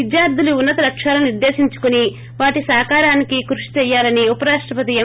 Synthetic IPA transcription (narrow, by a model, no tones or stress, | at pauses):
id̪jaːɾd̪ʱiluːnːɐt̪ɐɾɐkʂaːlɐniɾd̪e̞ːʃiɲt͡ʃu̥kuni | ʋaːʈisaːkaːɾaːnikikɾuʂi̥t͡ʃɛjːaːlɐniupɐɾaːʂʈɾɐpɐt̪̬ijɐ